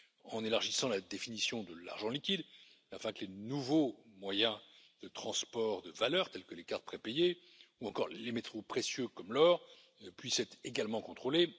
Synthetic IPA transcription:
ɑ̃nelaʁʒisɑ̃lad̪efinisjɔ̃d̪əla̰ʁʒɑ̃likʲid̪ | afɛ̃kəlenuvomwajɛ̃ | d̪̥ət̪χɑ̃spɔʁd̪əvalœːʁt̪ɛlkəlekaʁt̪̚pχɛpeje | uɑ̃kɔ̰ʁlemet̪χopχesjøkɔmlɔʁ | pɥisɛt̪χeɡalmɑ̃kɔ̃t̪χole

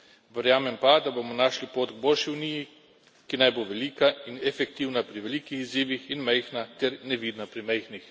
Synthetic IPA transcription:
ʋəɾjaːmɛmpad̪abomɔnaʃlipoːt̪ɡbolʃiuniːji | kinajboːʋɛliːkainɛfɛk̚t̪iːwnapɾiʋeliːkixiziːʋixinmɛjxnat̪ɛɾnɛʋiːd̪napɾimɛjxnix

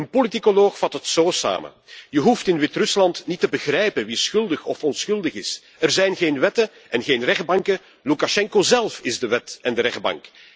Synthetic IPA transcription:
ənpolitikoloːxfɑtətsoːsa̰ːmə̰ | jəɦuftɪnʋɪtrʏslɑntnitəbəɣrɛjpənʋisxʏlˠdəxɔfɔnsxɵlˠdəɣɪs | ərzɛjnɣeːnʋɛtə | ɛnɣeːnrɛɣ̚bɑŋkə | lukaʃɛŋkozɛlˠfɪzdəʋɛtɛndəɾɛx̚bɑ̰ŋk

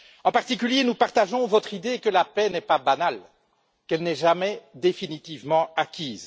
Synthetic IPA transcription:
ɑ̃paʁt̪ik̬ʲyljenupaʁt̪aʒɔ̃vɔt̪χid̪ekəlapɛnɛpabanal | kɛlnɛʒamɛd̪efinit̪ivmɑ̃akʲiːz

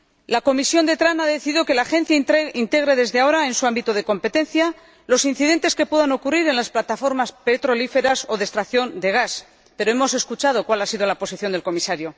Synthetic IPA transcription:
lako̞misjond̪e̞t̪ɾanaðe̞θiðiðo̞ke̞laːxẽ̞n̟θjaint̪e̞ɣ̞ɾe̞ðe̞zðeao̞ɾae̞nsuambit̪oð̞e̞ko̞mpe̞t̪e̞n̟θja | lo̞sin̟θiðe̞nt̪e̞ske̞pwe̞ðano̞kuriɾe̞nlasplat̪afo̞ɾmaspe̞t̪ɾo̞life̞ɾaso̞ðe̞st̪ɾaθjo̞nd̪e̞ɣ̞as | pe̞ɾoe̞mo̞s̬e̞skut͡ʃað̞o̞kwalasið̞o̞lapo̞siθjo̞nd̪e̞lko̞misaɾjo̞

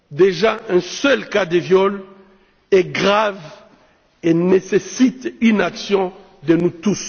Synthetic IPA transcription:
d̪eʒaʔɛ̃sɛlkad̪əvjɔl | ɛɡʁav | enesesit̪ynaksjɔ̃ | d̪ənut̪us

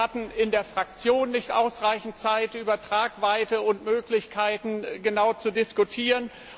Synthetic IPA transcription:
atn̩ɪndeːɐfʁ̥ak̚t͡sjoːnːɪçtʔa̰ʊsʁaɪçn̩tt͡saɪtʔyːbɐtʁ̥aːkv̥aɪtəʊntmøːklɪçkʰaɪtn̩ɡənaʊt͡sudɪskutʰiːʁən

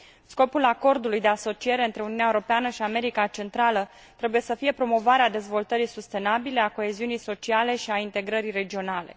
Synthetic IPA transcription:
sko̞pulako̞rd̪ulujd̪e̞aso̞t͡ʃie̞ɾe̞ɨnt̪ɾe̞uniuneaeuɾo̞peanəʃiame̞ɾikat͡ʃe̞nt̪ɾalə | t̪ɾe̞buje̞səfije̞pɾo̞mo̞vaɾead̪e̞zvo̞lt̪əɾisust̪e̞nabile̞ako̞e̞ziunijso̞t͡ʃiale̞ʃiaint̪e̞ɡɾəɾire̞d͡ʒio̞nale̞̰

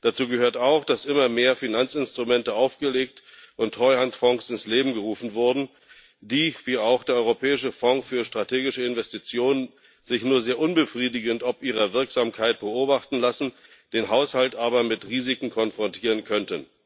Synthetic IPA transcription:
d̥at͡suːɡəhøːɐtaʊxd̥asʔɪmɐmeːɐfinant͡sɪnstʁ̥umɛntəaʊfɡ̥əleːk̚tʔʊntʁ̥ɔʏhantfɔŋsɪnsleːbm̩ɡəʁuːfn̩vʊɐdn̩ | d̥iːv̥iːaʊxd̥eːɐɔʏʁopʰɛːɪʃəfɔŋfyːɐʃtʁ̥atʰeːɡɪʃəɪnvɛstit͡sjoːnən | zɪçnuːɐzeːɐʔʊnbəfʁ̥iːdɪɡəntɔpʔiːʁ̞ɐvɪɐkz̥aːmkʰaɪt̚b̥əʔoːbaχtn̩lasn̩ | d̥eːnɦaʊshaltʔaːbɐmɪtʁiːzɪkŋ̩kʰɔnfʁ̥ɔntʰiːʁənkʰœntən

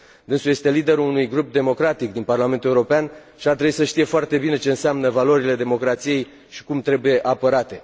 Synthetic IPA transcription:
d̪ɨnsuje̞st̪e̞lid̪e̞ɾuunujɡɾup̚d̪e̞mo̞kɾat̪ikd̪inparlame̞nt̪ue̞uɾo̞peanʃiart̪ɾebuisəʃt̪ije̞foart̪e̞bine̞t͡ʃe̞ɨnseamnəvalo̞ɾile̞d̪e̞mo̞kɾat̪sije̞j | ʃi̥kumt̪ɾe̞buje̞ʔapəɾat̪e̞

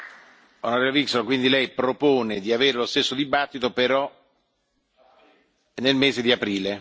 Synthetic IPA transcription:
onaɾɛːɾaviksolakwind̪ilɛjpɾopoːned̪iaveːɾelost̪esːod̪ibat̪ːit̪opeɾɔ | nelmeːzed̪iapɾiːle

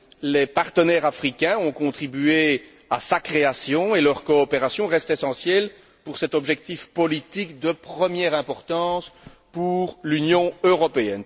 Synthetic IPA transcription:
lepaʁt̪ənɛʁafχikʲɛ̃ɔ̃kɔ̃t̪χibye | asakχeasjɔ̃elœʁkɔːpeʁasjɔ̃ʁɛst̪esɑ̃sjɛl | puʁsɛt̪ɔbʒɛk̚t̪ifpɔlit̪ikd̪əpχəmjɛʁɛ̃pɔʁt̪ɑ̃s | puʁlynjɔ̃øʁɔpeɛn

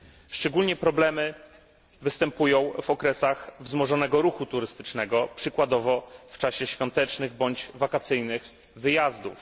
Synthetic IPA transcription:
ʂt͡ʂɛɡulɲɛpɾɔblɛmɘ | vɘst̪ɛmpujɔ̃w̃vɔkɾɛsaxvzmɔʐɔnɛɡɔɾuxut̪uɾɘst̪ɘ̥t͡ʂnɛɡɔpʂɘkwad̪ɔvɔft͡ʂaɕɛɕfʲjɔnt̪ɛt͡ʂnɘɣbɔɲd͡ʑvakat̪sɘjnɘx | vɘjazd̪uf

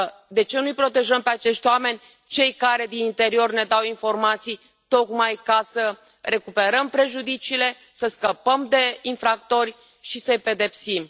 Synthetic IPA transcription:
d̪e̞t͡ʃe̞nujpɾo̞t̪e̞ʒəmpeat͡ʃe̞ʃt̪ʲwame̞nʲ | t͡ʃe̞jkaɾe̞d̪inint̪e̞ɾio̞rne̞d̪awinfo̞rmat̪sij | t̪o̞kmajkasə | re̞kupe̞ɾəmpɾe̞ʒud̪it͡ʃiːle̞ | səskəpəmd̪e̞infɾak̚t̪o̞rʲ | ʃisəjpe̞d̪e̞psim

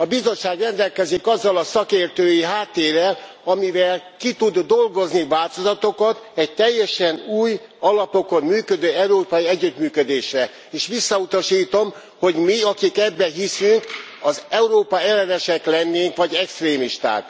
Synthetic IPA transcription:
ɒbizo̞t͡ʃʃːaːɡrɛnd̪ɛlkɛzikɒzːɒlɒsɒkeːrt̪øːjiɦaːt̪ːeːrːɛl | ɒmivɛlkit̪ud̪ːo̞lɡo̞znivaːlt̪o̞zɒt̪o̞kɒt̪ɛɟ̚t̪ɛjːɛʃɛnuːjɒlɒpo̞kommyːkød̪øːɛuɾoːpɒjiɛɟːyt̪myːkød̪eːʃrɛ | eːʃʋisːɒut̪ɒʃiːt̪o̞m | ho̞ɟmiɒkikɛbːɛɦisyŋk | ɒzɛuɾoːpɒɛlːɛnɛʃɛklɛnːeːŋkʋɒɟɛkst̪reːmiʃt̪a̰ːk

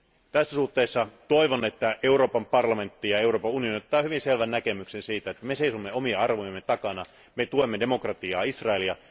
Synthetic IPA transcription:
t̪æsːæsuht̪ːeːsːɑt̪oiʋone̞t̪ːæʔe̞uɾo̞ːpɑmpɑrlɑme̞nt̪ːijɑeuro̞ːpɑunionit̪ːɑːhyʋinselʋænːæke̞myksensiːt̪æet̪ːæmeseisumːeo̞mieɑrʋojɑmːet̪ɑkɑnɑ | met̪uemːede̞mokrɑt̪iɑːisrɑeljɑ

